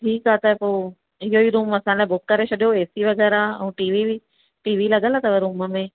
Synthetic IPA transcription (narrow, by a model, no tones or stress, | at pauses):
ʈʰiːkat̪ɐpoː | ɪɦoiɾũːmɐsãlaːebʊkːɐɾet͡ʃʰɐɗjoeːsiʋɐɡɛːɾaɐ̰ũʈiːʋii | ʈiːʋilɐɠəlaːt̪ɐʋeɾuːməmẽ